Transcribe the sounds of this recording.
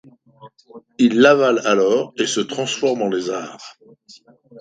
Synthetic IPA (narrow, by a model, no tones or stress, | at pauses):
ilːavalalɔːʁesət̪χɑ̃sfɔʁmɑ̃lezaːʁ